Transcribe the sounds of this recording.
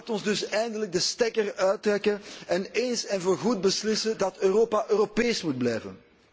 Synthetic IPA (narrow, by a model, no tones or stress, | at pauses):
latɔnzdɵsɛjndələɡ̚dəstɛkərœːt̚rɛkənɛneːnsɛnvoːrɣud̚bəslɪsədɑtøːɾoːpaʔøːɾopeːsmud̚blɛːjvə̰n